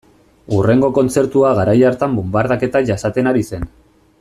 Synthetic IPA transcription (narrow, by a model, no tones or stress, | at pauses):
ure̞ŋɡo̞ko̞nt͡se̞ɾt̪uaɣaɾajaɾt̪ambumbaɾðake̞t̪aʝasat̪e̞naɾise̞n